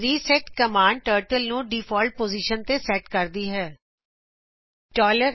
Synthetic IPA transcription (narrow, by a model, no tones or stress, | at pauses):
ɾiːsɛːʈkəmaːɳɖ̚ʈəːɾʈəlnũːɖiːfʰɔːlʈ̚poːziːʃənt̪eːsɛːʈkəɾd̪iːɦɛː | ʈɔːləɾ